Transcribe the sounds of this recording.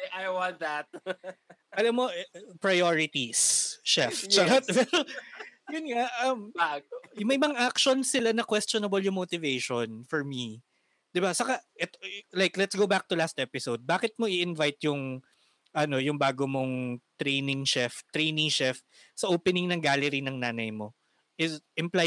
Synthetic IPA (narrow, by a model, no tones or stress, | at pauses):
ʔajwɑnt̪̚d̪ɐt̪̚ | ɐlamːo̞ʔpɹɐjoɹɪt̪isʃɛft͡ʃɐkat̪wɛljʊnŋaʔɐmjʊmɐjmɐŋaʔakʃonsɪlanɐkwɛst̪jonɐbɐljʊŋmot̪ɪvejʃonfɔɹmi | d̪̥ɪbasɐkaʔɛt̪olajklɛt̪sɡowbak̚t̪ʊlast̪̚ʔɛpɪsowd̪̚baːkɪt̪̚moʔɪɪnvajt̪jʊŋ | ʔɐno̞jʊŋbaːɡomoŋt̪ɾejnɪŋʃɛft̪ɾejnɪŋʃɛf | sɐʔoːpɛnɪŋnɐŋɡaːlɛɾinɐŋnaːnɐjmo̞ | ʔɪsɪmpla